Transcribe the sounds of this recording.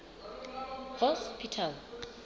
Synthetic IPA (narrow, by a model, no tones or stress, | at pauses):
vɔspʰitʰal